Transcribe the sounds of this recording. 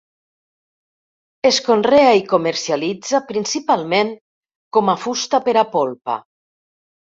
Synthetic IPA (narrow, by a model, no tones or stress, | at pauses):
eskonreaikomeɾsialid͡zapɾinsipalˠmeŋ | kɔmafust̪apeɾapolˠpa̰